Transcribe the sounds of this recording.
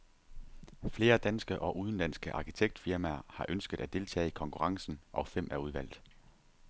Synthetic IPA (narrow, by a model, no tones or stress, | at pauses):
fle̝ːɐd̥ænsɡ̥əʔɒ̽ʔuð̞ˠn̩læn̰sɡ̥əʔɑ̈ːkʰit͡sʰeɡ̥̚d̥fiɐmæɐhɑ̈ʔønsɡ̥ð̩ˠæd̥e̝lt͡sʰɛ̰ːikʰɒ̽ŋkʰuʁɑ̈ŋsn̩ʔɒ̽fem̰ʔæuð̞ˠʋæl̰ð̩ˠ